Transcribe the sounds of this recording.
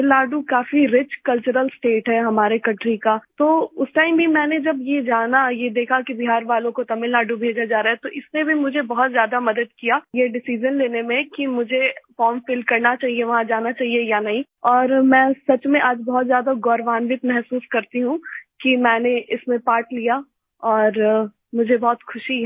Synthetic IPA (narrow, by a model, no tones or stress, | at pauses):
ɪlaːɖukaːfiɾɪt͡ʃkɐlt͡ʃʊɾəlsʈeːʈɦɛɦɐmaːɾekɐ̃ʈɾikat̪oːʊsʈaːɪmbʱimɛ̃ːned͡ʒɐbjed͡ʒaːnajed̪eːkʰakibiɦaːɾʋaːlõkot̪ɐmɪlːaːɖubʱeːd͡ʒad͡ʒaːɾaːɦɛt̪oʔɪsmẽbʱimʊd͡ʒʱebɐɦɔt̪zjaːd̪amɐd̪əd̪̚kijaːjeɖɪsid͡ʒənleːnemẽkimʊd͡ʒʱefɔːɾmfɪlkɐɾnat͡ʃaːɦieʋɐɦãd͡ʒaːnat͡ʃaːɦiejanɐɦĩ | ɔːɾmɛ̃ːsɐt͡ʃmẽʔaːd͡ʒbɔɦːt̪zjaːd̪aɡɔːɾʋaːnʋɪt̪mɛɦsuːskɐɾt̪iɦũkimɛ̃ːneʔɪsmẽpaːɾʈlija | ɔːɾ | mʊd͡ʒʱebɔːt̪xʰʊʃi